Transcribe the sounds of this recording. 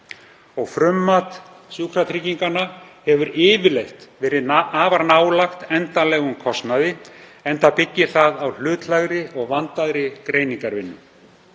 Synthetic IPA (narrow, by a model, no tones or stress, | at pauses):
ɔɣfɾʏmːat̪ | sjuːkʰɾat̪ʰɾiciŋkanːahɛvʏɾɪːvɪlejxt̪vɛːɾɪaːvaɾnaːwlaxt̪ɛnt̪alɛːɣʏmkʰɔst̪naðɪɛnt̪apɪcːɪθaðawl̥ʏːt̪laɣɾɪɔɣvant̪aðɾɪkɾeːjniŋkaɾvɪnːʏm